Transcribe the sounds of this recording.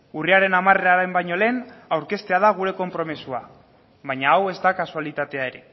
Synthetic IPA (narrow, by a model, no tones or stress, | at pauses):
uriaɾe̞namare̞ɾaɾembajɲo̞le̞ːnawɾke̞st̪e̞að̞aɣ̞uɾe̞ko̞mpɾo̞misua | βajɲaːwe̞zd̪akasualit̪at̪e̞ae̞ɾe̞